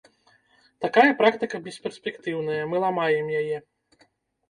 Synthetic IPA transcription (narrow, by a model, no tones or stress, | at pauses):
t̪akajɐpɾakt̪ɨkɐbʲɛsʲpʲɛrsʲpʲɛkt̪ɨwnɐjɐmɨlˠamajɛmjajɛ